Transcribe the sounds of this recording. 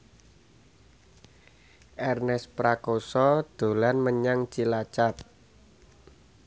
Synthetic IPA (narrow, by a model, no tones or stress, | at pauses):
ʔɛrnɛspɾakosɔd̪̥o̤lanməɲaŋt͡ʃilat͡ʃap̚